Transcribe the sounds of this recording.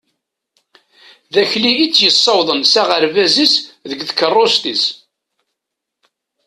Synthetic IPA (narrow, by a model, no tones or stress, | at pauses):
ðæçliit͡sːjəsˤːɑwðˤənsæʁəɾvæzisðəɡθkərˤːost̪is